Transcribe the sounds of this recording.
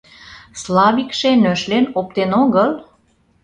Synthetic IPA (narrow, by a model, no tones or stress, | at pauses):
slɑβikʃenøʃlenop̚t̪enoɣəl